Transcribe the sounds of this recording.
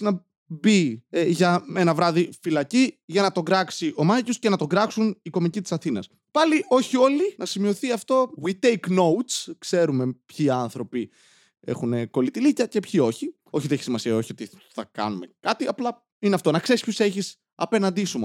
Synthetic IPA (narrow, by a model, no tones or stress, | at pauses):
nɐ | bieʝɐme̞nɐvɾɐðifilɐciʝɐnɐt̪o̞ɡɾɐksiʔo̞mɐʝosce̞nɐt̪o̞ɡɾɐksuniko̞micit̪i̥sɐθinɐ̰s | pɐliʔo̞çio̞linɐsimio̞θiɐft̪o̞ɣwit̪ejkno̞wt̪skse̞ɾume̞pçiɐnθɾo̞pi | e̞̰xune̞ko̞lit̪ilicɐce̞pçio̞çi | o̞çiðeeçisimɐsiɐo̞çio̞t̪iθɐkɐ̰nume̞kɐt̪iɐplɐ | ineɐft̪o̞nɐkse̞ɾispçose̞çis | ɐpe̞nɐnd̪isumo